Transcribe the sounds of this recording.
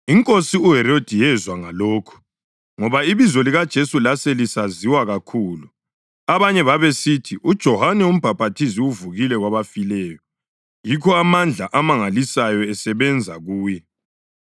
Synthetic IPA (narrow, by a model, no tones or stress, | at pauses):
iŋkʼosiuɦɛɾod̥ʱijɛzwaŋaloːkʰu̥ | ŋɔβaiβizoliɣad̥ʒ̥ʱesulaselisaziwaɣakʰuːlu | aβaɲɛβaβesitʰiʔud̥ʒ̥ʱɔhanɛum̩b̥ʱapʰʼatʰiziuvuɣilɛɣwaβafilɛːjɔ | jikʰɔamand͡ɮʱaʔamaŋalisajɔɛsɛβɛnd͡zʱaɣuːjɛ